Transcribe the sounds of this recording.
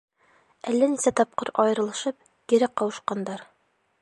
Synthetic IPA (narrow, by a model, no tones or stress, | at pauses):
ælːænisæt̪ɒp̚qɤɾɒjɤ̆ɾɤ̆lˠɤ̆ʃɤp̚ | kiɾæqqːɒwɤ̆ʃqɑnd̪ɑɾ